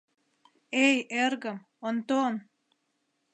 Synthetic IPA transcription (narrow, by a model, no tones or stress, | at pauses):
ejeɾɡəm | ont̪on